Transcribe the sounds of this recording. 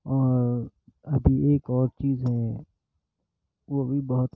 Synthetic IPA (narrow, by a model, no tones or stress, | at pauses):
ɔːɾ | ɐbʱieːkɔːɾt͡ʃiːzɦɛ̃ | ʋobʱibɐɦʊt̪